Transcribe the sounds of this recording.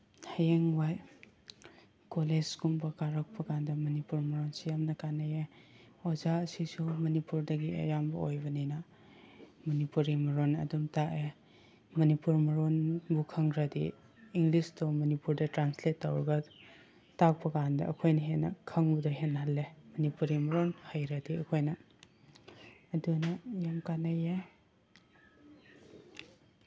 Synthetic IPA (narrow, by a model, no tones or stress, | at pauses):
hajeŋwaj | koled͡ʒɡumbɐkaɾɐk̚pʰɐkandɐmɐnipuɾmɐɾonsijamnɐkanɐje | ozaɐsisumɐnipuɾdɐɡiɐ̰jambɐojbɐninɐ | mɐnipuɾimɐɾonɐ̰dumtaʔe | mɐnipuɾmɐɾonbukʰɐŋɾɐdḭː | ŋɡlistomɐnipuɾdɐtɾansletːawɾɐɡɐ | tak̚pɐkandɐ̰ɐ̰kʰojnɐɦenːɐ̰kʰɐŋbɐdoɦenhɐlːemɐnipuɾimɐɾonhajɾɐdiɐkʰojnɐ | dunɐjamkanɐje